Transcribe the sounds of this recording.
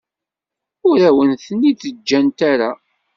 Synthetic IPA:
ʊɾæwənθənːit͡sːəd͡ʒːænt̪aɾa

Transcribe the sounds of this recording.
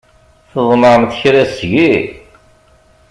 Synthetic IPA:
θəðˤməɾəmθçɾæsʝi

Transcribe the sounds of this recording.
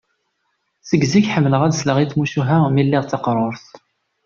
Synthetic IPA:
θəɡziçħəmːləʁæd̪sləʁiθmuʃuɦæmilːɪʁt͡s̪ːɑqɾˤoɾθ

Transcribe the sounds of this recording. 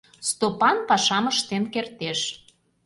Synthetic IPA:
st̪opɑnpɑʃɑməʃt̪enkert̪eʃ

